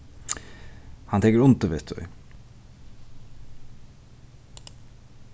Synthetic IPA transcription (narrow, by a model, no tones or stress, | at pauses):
hɑnʰɛːkəɾʊnt̪əʋet̪ʉ̰ɪ̰